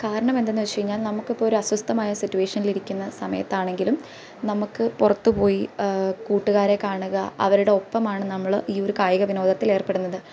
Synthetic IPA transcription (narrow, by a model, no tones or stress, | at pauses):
kaːɾɐɳɐmend̪enːut͡ɕejiɲːaːlnɐmukːipːoːoɾuɐswɐst̪ɐmaːjɐsitːuwe̞ːʂɐniliɾikʲːunːɐsɐmɐ̰jɐ̰t̪ːaːɳe̞ŋɡilum | nɐmukːɨpurɐt̪ːɨpo̞ːjikuːʈːuɣaːɾe̞kaːɳuɣɐɐ̰ʋɐɾuɽe̞o̞pːɐmaːɳɨnɐmːɐɭiːo̞ɾukaːjuɣɐʋino̞ːd̪ʱɐt̪ːileːrpe̞ɽunːɐðɨ